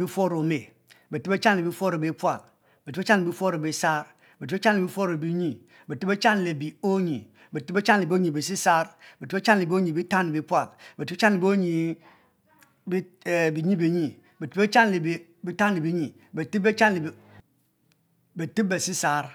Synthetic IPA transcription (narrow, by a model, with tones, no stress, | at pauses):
bi˦fo˦ɾo˨me˨ | be˨ti˦be˦t͡ʃa˦n˨le˨bi˦fo˦ɾo˨bi˦pʷa˨k̚ | be˨ti˦e˦t͡ʃa˦n˨lbi˦fo˦ɾo˨bi˨sa˦ɾ | be˨tbt͡ʃa˦n˦le˨bi˦fo˦ɾo˨bi˦ɲi˦ | be˨ti˦be˦t͡ʃa˦nle˨bi˨o˦ɲi˨ | be˨ti˦be˦t͡ʃa˦nle˨bo˦ɲi˨bi˨si˦sa˦ɾbe˨ti˦be˦t͡ʃa˦n˨le˨bi˨˦o˦ɲi˨bi˦ta˦n˨bi˨˦pʷa˨k̚be˨ti˦t͡ʃa˦nle˨bo˦ɲi˨ | bbi˨ɲi˦be˨ɲi˨ | be˨ti˦be˦t͡ʃa˦nle˨b | bi˨˦ta˦n˨e˨bi˦ɲi˨ | be˨ti˦bbe˦t͡ʃa˦nle˨ | be˨ti˦be˨si˦sa˨ɾ